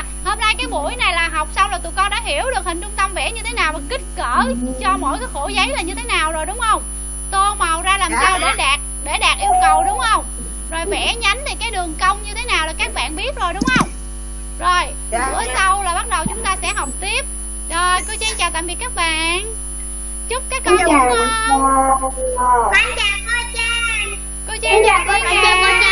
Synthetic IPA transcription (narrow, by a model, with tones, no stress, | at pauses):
ho˧mnaː˧jkaː˨˦jɓṵ˧˥əjna˨˩jlaː˨˩ɦa˨˩wk͡p̚sa˧wlaː˨˩t̪ṵ˨˩kɔ˧nɗa̰ː˧˥ɦi˧˩əwɗɨ˨˩k̚hï˨˩ŋ̟t͡ɕʊ˧ŋ͡mt̪ə˧mvɛ̰˧˥ɲɨ˧t̪ʰe˨˦naː˨˩wa˨˩kï˦˥k̚kəː˧˩t͡ɕɔ˧mo̰˧˥˨jkaː˨˦xo˧˩˦zə˨˦jlaː˨˩ɲɨ˧t̪ʰe˨˦naː˨˩wzo˨˩jɗʊ˨˦wŋ͡mhə˧wŋ͡m | t̪o˧ma˨˩wzaː˧laː˨˩msa˧wɗe˧˩ɗaː˨˩t̚ɗe˧˩ɗaː˨˩k̚ʔi˧wkə˨˩wɗʊ˨˦ŋ͡mhə˧wŋ͡m | zo˨˩jvɛ̰˧˥ɲa˨˦jŋ̟t̪ʰi˨˩kaː˨˦jɗɨ˨˩əŋkə˧wŋ͡mɲɨ˧t̪ʰe˨˦naː˨˩wlaː˨˩kaː˦˥k̚ɓa̰ː˧˨nɓi˦˥ət̚zo˨˩jɗʊ˨˦ŋ͡mhə˧wŋ͡m | zo˨˩j | ɨː˧˩˦sə˧wlaː˨˩ɓa˦˥t̚ɗə˨˩wt͡ɕʊ˨˦ŋ͡mt̪aː˧sɛ̰˧˥ɦə˨˩wk͡p̚t̪i˦˥əp̚ | zo˨˩jko˧˨˦wt͡ɕi˧˦t͡ɕaː˨˩t̪a̰ː˧˨vi˨˩kːaː˦˥k̚ɓa̰ː˧˨n | t͡ɕʊ˦˥k͡p̚kaː˨˦jkɔ˨˦˨ | ʔa˧ŋt͡ɕaː˨˩ə˧t͡ɕaː˧˩ | ko˨˦t͡ɕi˧˦t͡ɕːwki˧˦kː